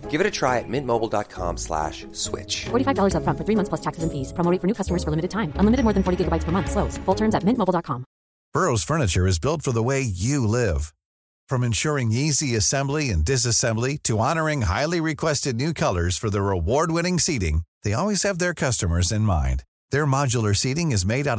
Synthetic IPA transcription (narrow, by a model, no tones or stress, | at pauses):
ɡ̥ɪvɨɾɨtʰɹ̥aɪɨt̚mɪ̃nmoʊbl̩ˠdɑ̰t̚kʰɑ̰̃mslæ̰ʃ | swɪ̰t͡ʃfɔɹɾifaɪvdɔlˠə˞zəfɹʌ̃nfə˞θɹimʌ̃θpʰlʌstʰæksɨzɨ̃nfiz̥pʰɹ̥ə̃moʊɾɪ̃ŋfə˞nʉkʌstəmə˞z̥fə˞lɪ̃mɨɾɨd̚tʰãɪ̃mə̃nlɪmɨɾɨd̚mɔɹðɨ̃nfɔɹɾiɡɪɡəbaɪtspʰə˞mʌ̃nθsloʊz̥fʊlˠtʰɜ̃˞mzɨt̚mɪ̃nʔmoʊbl̩ˠdɑt̚kʰɑ̃m | b̥ɜ˞oʊz̥fɜ˞nɨt͡ʃə˞ɨzbɪlˠtfə˞ðəweɪjɨlɪv̥ | fɹʌ̃mɨ̃nʃʊɹɪ̃ŋiziɨsɛ̃mbliɨ̰̃ndɨs̬ɨsɛ̃mbliɾɨɑnə˞ɪ̃ŋɦa̰ɪlˠiɹɨkʰw̥ɛstɨdⁿnʉkʰʌlˠə˞z̥fə˞ðəɹɪwɔɹd̚wɪ̃ñɪ̃ŋsiɾɪ̰̃ŋðeɪɔlˠwiz̥ɨvðə˞kʰʌstəmə˞zɨ̃nmã̰ɪ̃n | ðə˞mɑd͡ʒl̩ˠə˞siɾɪ̃ŋɨzmeɪɾaʊɾ